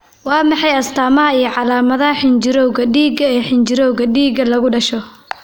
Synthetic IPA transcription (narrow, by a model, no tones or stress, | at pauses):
wɑːmɑħɑjɐst̪ʰaːmɐɦɐijɔʕɑlaːmɐðɐɦɐħɪnt͡ʃɪɾɔwɣɐɖiːɡɐɛːħɪnt͡ʃɪɾɔwɣɐɖiːɡɐlɐɣʊɖɐʃɔ